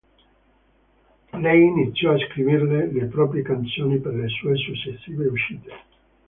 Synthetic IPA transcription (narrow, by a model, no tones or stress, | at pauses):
lɛjinit̪sːjɔaskɾivirlelepɾɔːpɾjekant̪soːniperlesuːesut͡ʃːesːiːveuʃiːt̪e̥